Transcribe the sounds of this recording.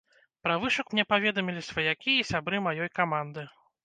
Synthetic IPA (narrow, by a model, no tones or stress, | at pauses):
pɾavɨʂɐkmnʲɛpavʲɛd̪ɐmʲilʲisʲvɐjakʲijɐsʲabɾɨmajɔjkamand̪ɨ